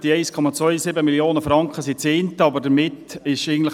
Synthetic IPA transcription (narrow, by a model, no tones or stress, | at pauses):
d̥iɛɪskʰɔmɑt͡svœʏsɪbəmiljoːnəfɾɑŋkχəsit͡seːnt̪əɑbəɾdəɾmɪtɪʃɪɡən̩tlə